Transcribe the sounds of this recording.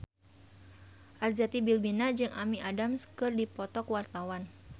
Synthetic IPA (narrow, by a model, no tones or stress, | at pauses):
ʔard͡ʒat̪ibilbinad͡ʒɨŋʔa̰miʔadamskɨrdipɔt̪ɔkwart̪awan